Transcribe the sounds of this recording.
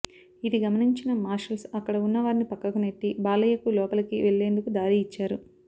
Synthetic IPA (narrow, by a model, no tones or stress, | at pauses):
id̪iɡɐmɐniɲt͡ʃinɐmaːɾʃɐlsɐkːɐɽɐunːɐʋaːɾinipɐkːɐkuneʈːibaːlɐjɐkulɔːpɐlɐkiʋe̞ɭːe̞ːnd̪ukud̪aːɾiːt͡ʃːaːɾu